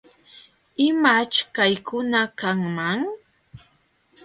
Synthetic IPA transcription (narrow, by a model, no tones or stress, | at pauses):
ɪmat͡ʃkajkʰʊnakaŋmaŋ